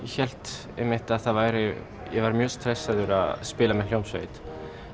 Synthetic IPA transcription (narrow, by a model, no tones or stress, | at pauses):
jɛçɛl̥t̪ | ɛmɪht̪aðθaðvaːjɾɪ | jɛvaɾmjœːst̪ɾɛsːaðʏɾa̰ðspɪːlamɛljowmsvḛːjt̪